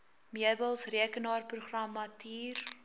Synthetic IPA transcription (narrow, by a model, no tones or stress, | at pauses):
miəbəlˠsriəkənɑːrpruχrɐmɐtiːr